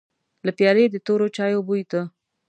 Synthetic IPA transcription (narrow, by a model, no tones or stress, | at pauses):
lapjɑɾed̪ət̪oɾot͡ʃɑjobujt̪ə